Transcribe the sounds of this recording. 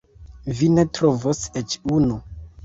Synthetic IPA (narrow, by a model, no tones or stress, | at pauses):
vine̞tɾovoset͡ʃunu